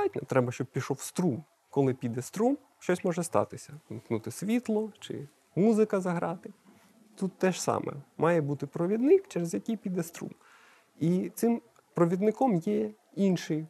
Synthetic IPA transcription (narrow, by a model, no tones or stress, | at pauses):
ɑtʲnʲɔt̪ɾɛbɐʃt͡ʃɔb̚pʲiʃɔwst̪ɾum | kɔlˠɪpʲid̪ɛst̪ɾum | ʃt͡ʃɔsʲmɔʒɛst̪ɑ̰t̪ɪsʲɐmknut̪ɪsʲʋʲit̪lˠɔt͡ʃɪ̰ | muzɪkɐzɐɦɾɑt̪ɪ | t̪ut̪ːɛʃsɑ̰mɛ̰mɑjɛbut̪ɪpɾɔʋʲid̪nɪkt͡ʃɛɾezjɐkʲijpʲid̪ɛst̪ɾṵm | it̪sɪm | pɾɔʋʲid̪nɪkɔmjɛ | inʃɪj